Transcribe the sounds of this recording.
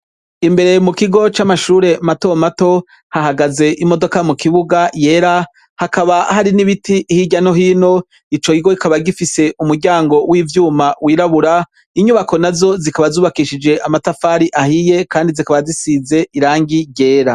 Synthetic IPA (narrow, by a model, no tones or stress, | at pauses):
imbe̞ɾe̞mukiɡo̞t͡ʃamaʃuːɾe̞mato̞mato̞ | haɦaɡaze̞ʔimo̞do̞kamukiβuɡaje̞ːɾa | hakaβahaɾiniβitiʔːhiɟano̞hiːno̞ | it͡ʃo̞kiɡo̞ikaβaɡifise̞ʔumuɾɟaːŋɡo̞wʔivjuːmawiːɾaβuɾa | iɲuβako̞nazo̞zikaβazuːβakiʃid͡ʒe̞ʔamatafaːɾiʔahije̞kaːndizikaβazisize̞iɾaːŋɡiɟe̞ːɾa